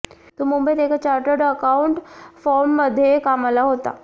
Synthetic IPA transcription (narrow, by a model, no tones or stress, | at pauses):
t̪umumbəjt̪ekʰat͡ɕaɾʈəɾɽəkauɳʈfɔɾmːəd̪ʱːjekamalaɦot̪a̰